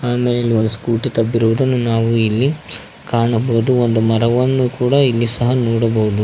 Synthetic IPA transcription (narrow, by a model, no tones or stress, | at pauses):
aːmeːleɐlːiond̪uskuːʈit̪ɐbːiɾuʋɐd̪ɐnːunaːʋuilːi | kaːɳɐbɐɦud̪uond̪umɐɾɐʋɐnːukuːɽɐilːisɐɦɐnɔːɽɐbɐɦud̪u